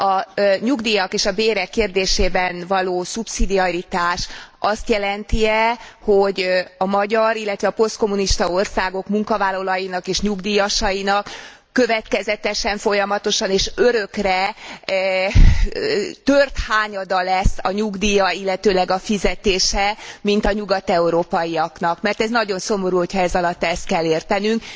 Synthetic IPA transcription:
ɒɲuɡd̪ijɒkeːʃɒbeːɾɛkːeːrd̪eːʃeːbɛnvɒloːsupsid̪iɒrit̪aːʃɒst̪jɛlɛnt̪iɛho̞ɟɒmɒɟɒɾilːɛt̪ʋɛɒpo̞st̪̚ko̞muniʃt̪ɒo̞rsaːɡo̞kmuŋkɒvaːlːɒlɒjinɒkeːʃɲuɡd̪iːjɒʃɒjinɒkː | ø̞vɛt̪kɛzɛt̪ɛʃɛɱfo̞jɒmɒt̪o̞ʃɒneːʃøɾø̞krɛ | t̪ørt̪haːɲɒd̪ɒlɛsːɒɲuɡd̪iːjɒilːɛt̪øːlɛɡɒfizɛt̪eːʃɛmint̪ɒɲuɡɒt̪ɛuɾoːpɒiɒknɒkmɛrt̪ɛznɒɟo̞nso̞mo̞ɾuːho̞chɒɛzɒlɒt̪ːɛst̪̚kɛlːeːrt̪ɛnyŋk

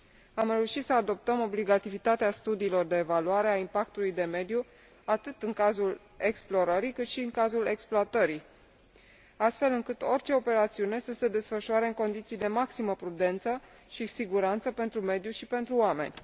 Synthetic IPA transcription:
amɾe̞uʃit̪səad̪o̞p̚t̪əmo̞bliɡat̪ivit̪at̪east̪ud̪iːlo̞rd̪e̞ːvaluaɾe̞aimpakt̪ulujd̪e̞me̞d̪ju | at̪ɨt̪ɨŋkazul | e̞ksplo̞ɾəɾikɨt̪ʃiɨŋkazule̞ksploat̪əɾi | ast̪fe̞lɨŋkɨt̪o̞rʲt͡ʃe̞o̞pe̞ɾat̪siune̞səse̞d̪e̞sfəʃuaɾe̞ɨŋko̞nd̪it̪sijd̪e̞maksiməpɾud̪e̞nt̪sə | ʃisiɡuɾant̪səpe̞nt̪ɾume̞d̪juʃipe̞nt̪ɾuoame̞̰nʲ

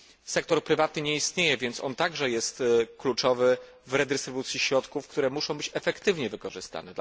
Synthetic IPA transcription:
sɛk̚t̪ɔɾpɾɘvat̪nɘɲɛist̪ɲejɛvʲjɛnt̪sɔ̰nt̪aɡʐɛjɛst̪klut͡ʂɔvɘ | vɾɛd̪ɛst̪ɾɘvut̪sʲjiɕɾɔt̪kufkt̪uɾɛmuʂɔ̃w̃bɘt͡ɕɛfɛkt̪ɘvɲɛvɘkɔʐɘst̪a̰nɛ

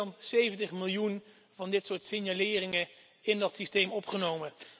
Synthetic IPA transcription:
nsejvəntəχmɪlˠjun | vɑndɪtsʊːɹtsɪnjalɪːrɪŋə | ɪndɑtsistejmɔpχənowmə

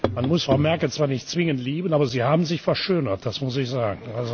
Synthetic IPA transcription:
manmʊsfʁ̥aʊmɛɐkl̩t͡sv̥aːɐnɪçtt͡sv̥ɪŋəntliːbənaːbɐziːhaːbn̩zɪçfɛɐʃøːnɐt̚d̥asmʊs̬ɪçz̥aːɡŋ̩alzo

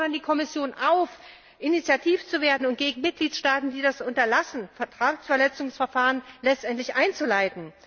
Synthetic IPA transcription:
ɐndiːkʰɔmɪsjoːnʔaʊf | ʔɪnit͡sjatʰiːft͡suveːɐdn̩ʊnt̚ɡ̥eːɡŋ̩mɪt̚ɡ̥liːtʃtaːtn̩diːdasʔʊntɐlasn̩fɛɐtʁ̥aːksfɛɐlɛt͡sʊŋsfɛɐfaːʁ̞ənlɛt͡stʔɛntlɪçʔaɪnt͡sulaɪtn̩

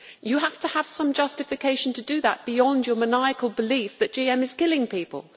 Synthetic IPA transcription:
jəɦaftəəv̥sʌ̃md͡ʒʌstɪfɪkʰeɪʃə̃n̩tʰədəðə̰ʔ̚b̥ɪjɒ̃nd͡ʒəmənaɪɨkʰəlˠbɪliˑfðɨʔ̚d̥ʒ̥iɛ̃mɪz̥kɪlɪ̃ŋpiˑpə̰lˠ

